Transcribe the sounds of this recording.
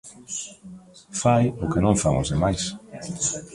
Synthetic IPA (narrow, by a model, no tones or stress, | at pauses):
fajʊkɪnõŋfaŋo̰zðemajs